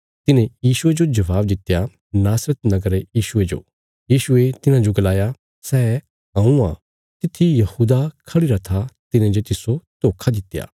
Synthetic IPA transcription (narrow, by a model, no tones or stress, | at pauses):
t̪ɪnẽjiːʃʊed͡ʒod͡ʒɐʋaːbd̪ɪt̪ːja | naːsɾət̪nɐɡəɾejiːʃʊed͡ʒo̰ː | jiːʃʊet̪ɪnãd͡ʒoɡɐlaːja | sɛː | ɦãːũã | t̪ɪt̪ʰːijɐhuːd̪akʰɐɽiɾat̪ʰat̪ɪnẽd͡ʒot̪ɪsot̪oːkʰad̪ɪt̪ːja̰ː